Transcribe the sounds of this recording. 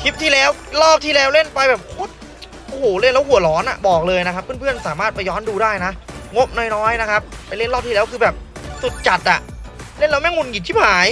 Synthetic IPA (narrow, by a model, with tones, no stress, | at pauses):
kʰi˦˥p̚t̪ʰiː˥˩lɛː˦˥wlɔː˥˩p̚t̪ʰiː˥˩lɛː˦˥wle˥˩npa˧jbɛː˨˩p̚kʰo˦˥t̪̚ | ʔo˧hoː˨˩le˥˩nlɛː˦˥whu˨˩ɐ˦lɔː˩˦˥nʔa̰˨˩bɔː˨˩k̚lɤː˧jna˦˥kʰa˦˥pʰːɯ˥˩˨npʰɯ˥˩ənsaː˩˦maː˥˩t̪̚pa˧jɔː˦˥nduː˧daː˥˩jna˦˥ʔŋo˦˥p̚nɔː˧˥˩jnɔː˦˥jna˦˥kʰa˦˥p̚ːa˧jle˥˩nlɔː˥˩t̪ʰiː˧lɛː˦˥wkʰɯː˧bɛː˨˩p̚su˨˩t̪̚t͡ɕa˨˩t̪̚ʔa˨˩ʔle˥˩nlɛː˦˥mɛ˥˩ŋu˧nŋi˨˩iː˥˩haː˩˦j